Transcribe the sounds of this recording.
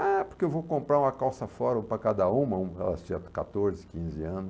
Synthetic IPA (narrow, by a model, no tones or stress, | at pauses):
apoɾkeewvokõmpɾaɾũmɐkawsɐfɔɾõpɾɐkad̪ɐũmɐũɛ̰lɐst͡ʃĩɲɐkat̪oɾzɪkĩzɪɐ̃nʊ